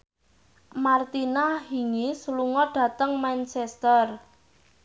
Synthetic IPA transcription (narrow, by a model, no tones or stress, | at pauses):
mart̪inahiŋisluŋɔɖ̥ä̤t̪əŋmant͡ʃɛst̪ər